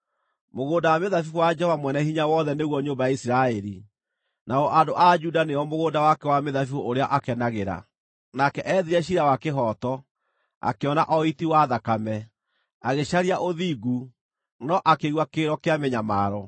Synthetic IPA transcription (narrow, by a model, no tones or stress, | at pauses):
moɣoːdawameðafifowad͡ʒɛhɔvamwɛnɛhiɲawɔðɛneɣwɔɲombajaisiɾaɛɾi | naɔʔadoʔad͡ʒudaneɔmoɣondawakɛwameðafioʔoɾeaʔakɛnaɣeɾa̰ | nakɛʔɛðiɾɛɕ̬iɾawakeɦɔːtɔ | a̰keɔnaʔɔitiwaðakamɛ | aɣeɕaɾiaʔoðiɡu | nɔʔakeɣwakeːɾɔkeamɛɲamaːɾɔ